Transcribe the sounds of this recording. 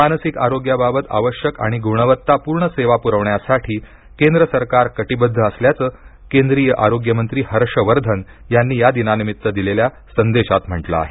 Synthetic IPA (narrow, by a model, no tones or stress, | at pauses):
manəsikaɾoɡjababət̪a̰ʋəɕjəka̰ɽ̃iɡʱuɳ̃əʋət̪ːapuɾɳəseʋapuɾəʋɳjasaʈʰiː | kend̪ɾəsəɾkaɾkəʈibəd̪ʱːəːsljat͡səː | kend̪ɾijəʔaɾoɡjəmənt̪ɾiːhəɾʂəʋəɾd̪ʱən | janːiːjad̪inanimit̪ːəd̪ilelja | sənd̪eɕat̪m̤əʈlə̰a̰ɦe